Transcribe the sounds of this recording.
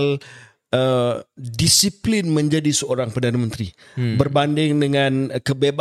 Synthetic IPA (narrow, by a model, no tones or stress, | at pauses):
l | ədisiplɪnməɲd͡ʒadisəoɾaŋpərdanamənt̪ɾi | bərbandɪŋdəŋankəbeb